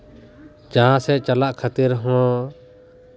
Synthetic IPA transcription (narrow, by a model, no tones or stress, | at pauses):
d͡ʒããsɛt͡ʃalaʔkʰat̪iɾɦɔ̃